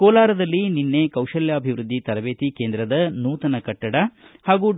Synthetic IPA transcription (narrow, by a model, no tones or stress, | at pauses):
kɔːlaːɾɐd̪ɐlːininːeːkɐwʃɐljɐːbʱiʋɾud̪ʱːit̪ɐɾɐʋeːt̪ikeːnd̪ɾɐd̪ɐnuːt̪ɐnɐkɐʈːɐɽɐhaːɡuː